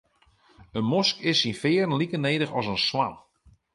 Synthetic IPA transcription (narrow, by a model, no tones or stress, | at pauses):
ənmɔskɪsinfɪːɾnlikəneːdəxɔsənsʋam